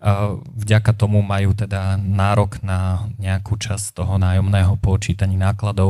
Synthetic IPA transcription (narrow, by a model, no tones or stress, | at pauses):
vɟakat̪ɔmumajuːt̪ɛd̪anaːɾɔɡnaɲɛakuːt͡ʃast̪ɔɦɔnaːjɔmnɛːɦɔpɔt͡ʃiːt̪aɲiːnaːklad̪ɔʊ